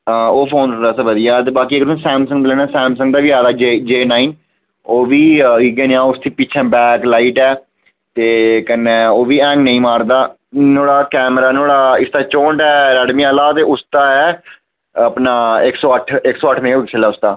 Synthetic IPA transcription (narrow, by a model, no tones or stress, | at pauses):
əoːpʰoːnkəd̪aːsaʋəd̪ɪjaːt̪eːbaːkiːeːkd̪sɛ̃ːmsə̃ŋd̪lɛːnaːsɛ̃ːmsə̃ŋɡ̚d̪aːʋiːaːd̪aːd͡ʒed͡ʒeːnaːiːn | oːʋiːɪɡẽːnːãːʊst̪ʰiːpɪːt͡ʃʰɛ̃ːbɛːklaːiːʈɛː | t̪eːkənːɛ̃ːoːʋiːɛ̃ːŋknə̃ĩːmaːɾd̪aː | noːɽaːkɛːmɾaːnoːɽaːɪst̪aːt͡ʃõːɳʈɛːɾɛːɖmiːaːlaːt̪eːʊst̪aːɛː | əpnaːɪksɔːəʈʰɪksɔːəʈʰːnẽːɪksʰelaːʊst̪aː